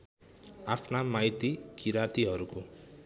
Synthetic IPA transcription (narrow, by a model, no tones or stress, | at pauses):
apʰnamajt̪ikiɾat̪iɦʌɾuko